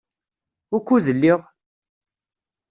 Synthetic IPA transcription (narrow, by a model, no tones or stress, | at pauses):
ʊɾkʷːuðəlːiʁ